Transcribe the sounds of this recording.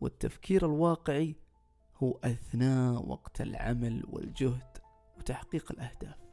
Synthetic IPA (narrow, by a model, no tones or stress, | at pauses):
wɪ̰t̪ːafkʰiːɾɪlwɑːqɪʕi | huːʔaθnaːʔwɑ̰ɡt̪ʰɪ̰lʕa̰malwɪ̰ld͡ʒʊhd̪̥ | wt̪aħqiːqɪlʔahd̪aːf